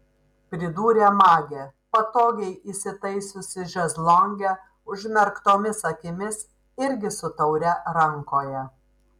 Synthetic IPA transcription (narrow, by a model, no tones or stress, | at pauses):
pʲɾʲɪd̪uːɾʲemɑːɡʲeːpɐt̪oːɡʲɛɪʔiːsʲɪt̪ɐɪsʲʊsʲɪʒʲɛzlˠɔŋʲɡʲɛ | ʊʒʲmʲɛɾkt̪oːmʲɪsɐkʲɪmʲɪs | ɪɾʲɡʲɪsʊt̪ɐʊɾʲɛɾɐŋkoːjɛ